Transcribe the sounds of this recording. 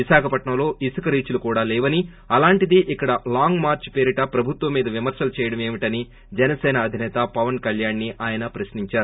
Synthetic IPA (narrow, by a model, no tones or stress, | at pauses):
isaːkʰɐpɐʈɳɐmlo̞ːʔisɐkɐɾiːt͡ʃulukuːɽaːlɛːʋɐni | ɐlaːɳʈid̪iʔikːɐɽɐlaːŋɡmaːɾt͡ʃpeːɾiʈɐpɾɐbʱut̪ʋɐmːiːd̪ɐʋimɐɾsɐlut͡ʃɛːjɐɽɐmeːʋiʈɐni | d͡ʒɛnɐsɛːnɐːd̪ʱinɛːt̪ɐpɐʋɐnkɐljaːnːiʔaːjɐnɐpɾɐsniɲt͡ʃaːɾu